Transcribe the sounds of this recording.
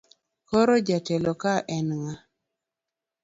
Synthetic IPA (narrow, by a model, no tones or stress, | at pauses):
kɔɾɔd͡ʒatɛlɔkaʔɛnŋa